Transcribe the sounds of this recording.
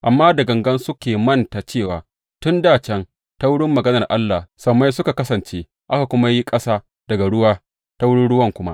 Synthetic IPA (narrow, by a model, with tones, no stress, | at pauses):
ʔa˨mːaː˦dɐ˨ɡɐ˨ŋɡɐ˦nsʊ˦kʲeː˨mɐ˦˨nta˨t͡ʃeː˦˨wa̰ː˨ | tʊ˦ndaː˦˨t͡ʃɛ˦n | ta˦wʊ˦ɽɪ˦mːɐ˨ɡɐ˦nɐ˨rʔa˦lːa˨hsɐ˨ma˦jsʊ˦ka˨kɐ˦sɐ˨nt͡ʃeː˦ | ʔa˦ka˨kʷʊ˦ma˦ji˦kʼɐ˦saː˦ | d̥ɐ˨ɡa˨ɽʊ˦waː˦ | ta˦wʊ˦ɽɪ˦nɽʊ˦wɐ˦˨ŋkʷʊ˦ma̰˦ʔ